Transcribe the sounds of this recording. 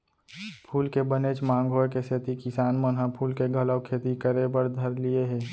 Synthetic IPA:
pʰuːlkebənet͡ʃmãːŋɡʱoːjkeset̪ikɪsaːnmənɦapʰuːlkeɡʱələwkʰeːt̪ikəɾebəɾd̪ʱəɾlieɦɛː

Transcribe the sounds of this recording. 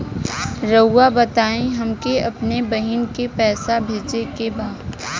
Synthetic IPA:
ɾɐːabɐt̪aːẽɦɐmkeɐpnebɐɦɪnkepɛːsabʱeːd͡ʒekebaːd̪

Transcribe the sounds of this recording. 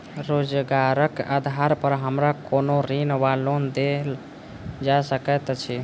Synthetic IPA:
ɾod͡ʒɡaɾəka̰d̪ʱaɾpəɾɦəmɾakonoɾinʋalond̪el | d͡ʒasəkɛt̪t͡ʃʰi

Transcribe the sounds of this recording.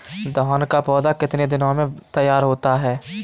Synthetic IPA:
d̪ɔːnkapɔːd̪akɪt̪ned̪ɪnõmẽt̪əjːaːɾɦoːt̪aɦɛː

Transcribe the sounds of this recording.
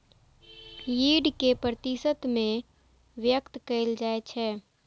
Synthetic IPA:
jiɖkepɾət̪isət̪mẽ | ʋjəkt̪kəɪld͡ʒaːet͡ʃʰɛː

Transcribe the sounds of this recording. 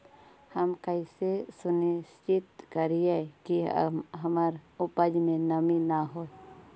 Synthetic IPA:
həmkəisesʊnist͡ʃɪt̪kəɾijakiɦəmaɾʊpəd͡ʒmẽnəminaɦo

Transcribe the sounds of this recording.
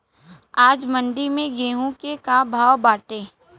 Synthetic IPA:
aːd͡ʒmə̃ɳɖimẽɡeːɦũkekabʱaːwbaːʈeː

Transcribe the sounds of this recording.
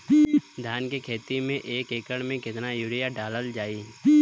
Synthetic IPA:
d̪ʱjaːnkekʰeːt̪imẽʔeːkeːkəɽ̃mẽkɪt̪najuːɾɪjaɖaːləld͡ʒaːiː

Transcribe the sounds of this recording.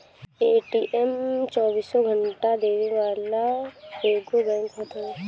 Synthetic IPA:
eːʈiʔɛmt͡ʃɔːbiːsːɔɡʱə̃ɳʈad̪eːʋiʋaːlaoːɡobɛ̃ːŋkɦoːt̪aɦɛ

